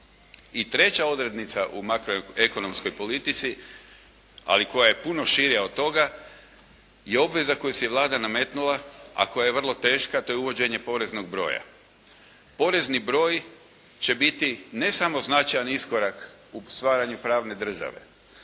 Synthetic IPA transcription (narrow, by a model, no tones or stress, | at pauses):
it̪ɾe̞t͡ɕao̞d̪ɾe̞d̪nit̪saʔumakɾoeko̞no̞msko̞jpo̞lit̪it̪si | a̰liko̞jaje̞puno̞ʃiɾijaod̪̚t̪ːo̞ɡa | jeo̞bʋe̞zako̞jusijeʋlˠaːd̪aname̞t̪nulaa̰ko̞jaje̞ʋr̩lˠo̞t̪e̞ːʃkat̪o̞jeuʋo̞d͡ʑe̞ɲepo̞ɾe̞zno̞ɡ̚bɾo̞̰ːja̰ | po̞ɾe̞znibɾo̞ːj | t͡ɕe̞bit̪ine̞samo̞znat͡ʃajanisko̞ɾak | ust̪ʋaːɾaɲupɾaːʋne̞d̪r̩ʒa̰ʋe̞̰